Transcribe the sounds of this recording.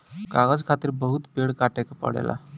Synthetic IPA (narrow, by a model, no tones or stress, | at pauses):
kaɣəd͡zkʰat̪iːɾbəɦut̪peɽkaʈakpə̰ɽḛlʔa̰